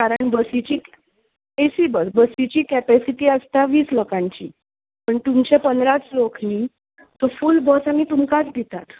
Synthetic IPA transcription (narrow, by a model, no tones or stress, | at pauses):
kaɾəɳbəsit͡ɕiː | esiːbəsbəsit͡ɕiːkɛpɛsiʈiːəst̪aʋiːsləkãɲt͡ɕḭː | pəɳt̪umt͡ɕepənd̪ɾat͡slokniː | t̪ofulbəsamiːt̪umkat͡sd̪ʱit̪at̪